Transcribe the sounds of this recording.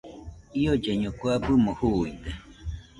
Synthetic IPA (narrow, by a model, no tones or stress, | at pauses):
iod͡ʒeɲõkwabɨmohuind̪e